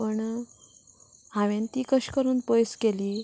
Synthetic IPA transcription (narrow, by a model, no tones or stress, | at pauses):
pəɳ | ɦaʋãnt̪iːkəɕkəɾuːnpəjskeliː